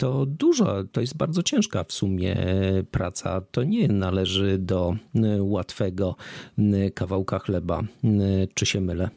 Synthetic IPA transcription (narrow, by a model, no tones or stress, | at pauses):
t̪ɔd̪uʐa̰t̪ɔjɛst̪̚baɾd̪zɔt͡ɕɛ̃ʂkafsumʲjɛ̰pɾat̪sa̰t̪ɔɲɛnalɛʐɘd̪ɔwat̪fɛɡɔ | kavawkaxlɛba̰ | t͡ʂɘɕɛmɘlɛ